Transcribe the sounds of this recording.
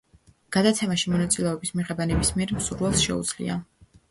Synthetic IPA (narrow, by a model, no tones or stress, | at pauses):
ɡ̥ad̪at̪sʰɛmaʃimɔnat̪sʼilɛɔbismiʁɛbanɛbismiɛɾmsuɾvɛlˠsʃɛ̰ud̪zlḭa̰